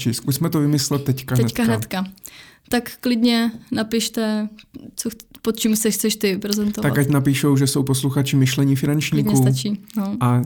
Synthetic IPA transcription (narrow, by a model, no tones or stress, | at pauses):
t͡ʃɪskusmɛt̪ovɪmɪslɛt̪ːɛckaɦ̪ɛnɛt̪kaɦnɛt̪kat̪akklɪdɲɛnapɪʃt̪ɛt͡sopot̪̚t͡ʃimxt͡sɛʃxt͡sɛʃt̪ɪpɾɛzɛnt̪ovt̪akkacnapiːʃo̞wʒɛso̞wposluxat͡ʃɪmɪʃlɛɲɪfɪnant͡ʃɲiːkɲɛust̪at͡ʃiːnoa